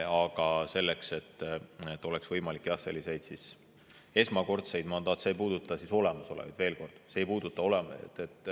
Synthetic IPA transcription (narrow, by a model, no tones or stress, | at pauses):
ɑɡ̥ɑse̞lːe̞kse̞t̪ːet̪ːˑo̞leksvɤjmɑlikːˑjɑse̞lːise̞jd̪̥sis | e̞smɑko̞rt̪se̞jd̪mɑnd̪ɑːt̪sejpuːd̪ut̪ːˑɑsiso̞le̞mɑso̞levɑ̰d̪̥ve̞ːlko̞rd̪̥sejpuːd̪̥ut̪ːˑɑo̞lemt̪ːet̪ːˑ